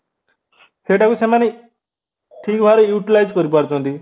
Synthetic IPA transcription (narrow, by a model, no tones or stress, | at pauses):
heʈakusemane | ʈʰikbʱaɾojuʈilajd͡zkɔɾip̬aɾtɦnt̪i